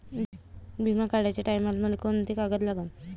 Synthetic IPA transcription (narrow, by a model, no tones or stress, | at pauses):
bʱimakaɽajt͡ɕaʈajmalməlekont̪iekaɡət̪laɡan